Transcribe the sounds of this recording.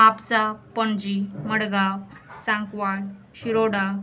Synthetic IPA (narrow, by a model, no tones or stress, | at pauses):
apt͡sapəɳd͡ʑiməɽɡasãŋkʋaɽ | ɕiɾoɽa